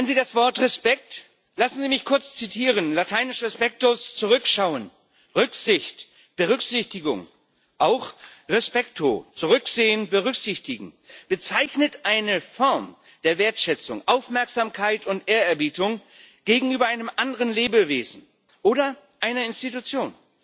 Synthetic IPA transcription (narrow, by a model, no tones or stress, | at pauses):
ɛnziːdasv̥ɔɐtʁɛspɛk̚t | lasn̩ziːmɪçkʰʊɐt͡st͡sitʰiːʁənlatʰaɪnɪʃʁɛspɛk̚tost͡suʁʏkʃaʊən | ʁʏkz̥ɪçt | b̥əʁʏkz̥ɪçtɪɡʊ̰ŋ | ʔaʊxʁɛspɛktʰot͡suʁʏkz̥eːənbəʁʏkz̥ɪçtɪɡŋ̩ | b̥ət͡saɪçnətʔaɪnəfɔɐm | d̥eːɐveːɐtʃɛt͡sʊ̰ŋʔaʊfmɛɐkz̥aːmkʰaɪtʰʊntʔeːɐɛɐbiːtʊŋ | ɡ̥eːɡŋ̩yːbɐʔaɪnəmʔandəʁənleːbəveːzn̩ | ʔoːɾɐ | ʔaɪnɐɪnstitut͡sjoːn